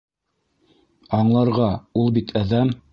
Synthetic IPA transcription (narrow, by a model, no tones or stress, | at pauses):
ɑɴlˠɑɾʁɑulˠbit̪ʰæðæm